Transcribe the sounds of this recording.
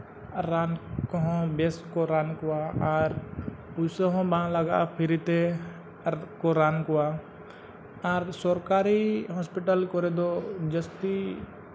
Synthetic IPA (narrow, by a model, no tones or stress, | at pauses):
ɾaːnkɦɔ̃beskoɾaːnkoaaɾpusəɦõbãləɡa̰pʰɪɾit̪e | koɾaːnkoa | aɾsɔɾkaːɾiɦɔspɪʈəlkɔɾed̪od͡ʒəst̪i